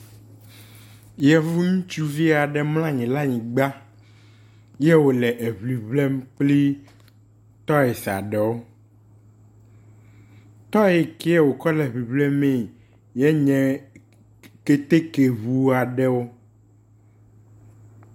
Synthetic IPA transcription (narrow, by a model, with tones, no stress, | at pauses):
jɛ˨vu˦ŋũ˦t͡ʃu˦vi˦a˨ɖɛ˨ml̃ã˦ɲĩ˨la˦ɲĩ˨ɡ͡ba˦ | jɛ˦wo˨lɛ˨ʔe˨βli˨βlɛ˦mk͡pli˦ | t̪ɔ˦ɛ˨sa̰˨ɖɛ˨wo˦ | t̪ɔ˦ɛe˨kɛ˦ɛ˦˨wo˨kɔ˦lɛ˨βi˨blɛ˦mɛ̃˦˨ | jɛ˦ɲɛ̃˨ | ke˦t̪e˦ke˨βu˦a˨ɖɛ˦wo˦